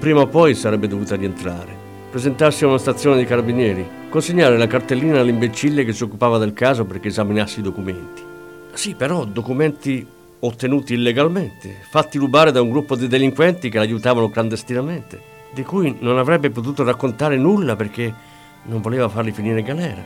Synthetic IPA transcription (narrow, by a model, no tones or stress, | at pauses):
pɾiːmaopɔjsaɾɛbːed̪ovuːt̪aɾient̪ɾa̰ːɾe | pɾezent̪arsiunast̪at̪sːjoːnɪd̪ikaɾabinjɛːɾi | konsiɲːaːɾelakart̪elːiːnalːimbet͡ʃːilːek̟ɪsːiokːupaːvad̪elkaːzoperk̟eːzaminasːiid̪okument̪i̥ | sipːeɾɔd̪okumɛnt̪i | ot̪ːenuːt̪iːlːeɡalment̪efat̪ːiɾubaːɾɪd̪auŋɡɾupːod̪id̪eliŋkwɛnt̪ik̟elajut̪aːvanokland̪est̪inament̪e | d̪ikujnonavɾɛbːep̬ot̪̬uːt̪orakːont̪aːɾɪnulːaperk̟e | noɱvoleːvafarlifiniːɾeɡalɛːɾa̰